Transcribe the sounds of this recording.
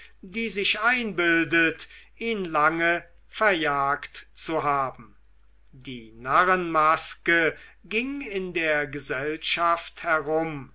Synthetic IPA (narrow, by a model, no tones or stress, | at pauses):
diːzɪʃaɪnbɪldət | iːnlaŋə | fɛɐjaːktt͡suɦaːbm̩ | diːnaʁənmaskəɡɪŋɪndeːɐɡəzɛlʃafthɛʁʊm